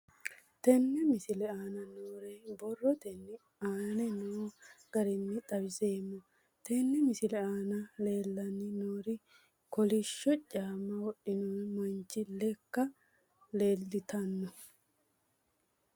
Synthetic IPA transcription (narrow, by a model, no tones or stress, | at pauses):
t̪ɛnːɛmɪsɪlɛaːnɐnoːɾebɔrːɔt̪ɛnːɪ | aːnɛnoːɡ̥ɐɾɪnːɪt̪ʼɐbɪze̞ːmːɔ | t̪ɛnːɛmɪsɪlɛaːnɐle̞ːlːɐnːɪnoːɾɪ | kɔlɪʃːɔt͡ʃʼaːmːɐwɔɗːɪnoːnmɐnt͡ʃːɪlɛkːɐ | le̞ːlːɪt̪ɐnːɔ